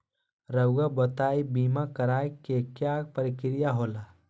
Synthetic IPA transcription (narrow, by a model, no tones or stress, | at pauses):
ɾəwɡabət̪aːibiːmakəɾaːjkekjapəɾɪkɪɾijaɦoːla